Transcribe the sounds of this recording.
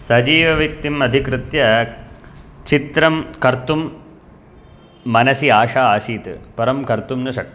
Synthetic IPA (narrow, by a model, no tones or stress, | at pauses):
sɐd͡ʒiːʋɐʋjɐk̚t̪imɐd̪ʱikɾɨt̪jɐ | t͡ʃit̪ɾɐmkɐɾt̪um | ɐnɐsiaːʂaːaːsiːt̪ɨpɐɾɐmkɐɾt̪umnɐʂɐk̪̚